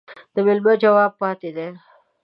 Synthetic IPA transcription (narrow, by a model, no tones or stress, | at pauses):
d̪̥əmɪlmad͡ʒawɑːb̚pɑt̪ed̪e